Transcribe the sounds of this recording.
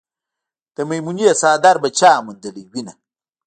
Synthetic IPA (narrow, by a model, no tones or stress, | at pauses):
d̪̥əmɐjmunijasaːd̪aɾbɐt͡ʃaːmund̪əliwina